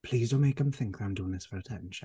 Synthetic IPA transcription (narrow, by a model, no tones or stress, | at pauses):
pʰl̥iːzəmeɪkə̃mθɪ̃ŋkðəãɪ̃mduːɪ̃ŋðɪsfəɹətʰɛ̃nʃə̃n